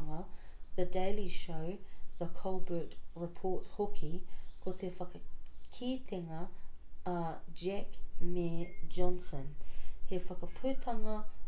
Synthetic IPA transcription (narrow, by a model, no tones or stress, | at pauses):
ŋəðədeɪliʃoʊðəkʰolbəˑ˞tɹɪpʰɔɹthokʰikʰot̪ʰefɐkəkʰiːt̪ʰɪŋə | d͡ʒɛkmed͡ʒɔ̃nsə̃nhefɐkəpʰʉːt̪ʰɐŋɐ